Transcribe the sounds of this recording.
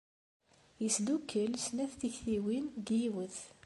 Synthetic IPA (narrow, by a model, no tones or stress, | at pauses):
jisd̪ukʰːəlsnæθt̪içθiwinɡiwəθ